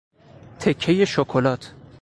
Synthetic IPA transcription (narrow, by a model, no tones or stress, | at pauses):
t̪ʰe̞kʰːe̞je̞ʃokʰolɒːt̪ʰ